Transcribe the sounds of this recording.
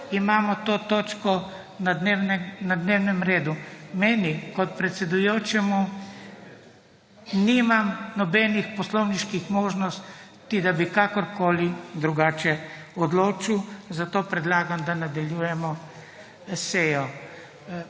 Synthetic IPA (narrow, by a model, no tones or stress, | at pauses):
imaːmɔt̪oːt̪oːt͡ʃkɔ | nad̪newnɛnad̪newnɛmɾeːd̪umɛːnikɔt̪̚pɾɛt̪sɛd̪ujoːt͡ʃɛmu | nimamnɔbɛnixpɔslɔwniʃkixmoːʒnɔst̪id̪abikakɔɾkoːlid̪ɾuɡaːt͡ʃɛɔd̪loːt͡ʃiwzat̪oːpɾɛd̪laːɡamd̪anad̪aljujɛmɔ | seːjɔ